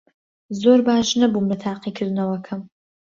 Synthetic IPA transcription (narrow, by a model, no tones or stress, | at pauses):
zoːrbaːʒnɐbumnɐtʰaːqiːkʰɪznɐwɐkʰɐm